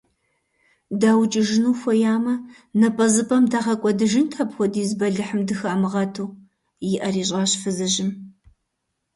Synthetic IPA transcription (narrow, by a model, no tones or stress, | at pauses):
daːwt͡ʃʼɪʒɪnuːxʷɔjaːmɐ | nɐpʼɐzɨpʰʼɐmdaʁɐkʷʼɔdɨʒɪntʰɐpxʷɔdiːzbɐɮɨħəmdɨxɐːmɨʁɐtʰuː | jɪʔɐriːɕʼɑːɕfɨzɨʑɪm